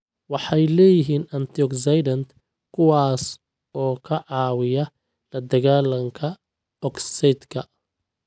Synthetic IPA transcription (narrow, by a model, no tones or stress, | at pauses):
wɑħɑjlɛːjɪɦiːnɐnt̪ʰiɔksɐjdɐnd̪ | kʰʊwɑːs | ɔːkʰɐʕɑːwɪjɐ | lɐd̪ɐɣaːlɐŋkʰɐ | ɔksɛd̪kʰɐ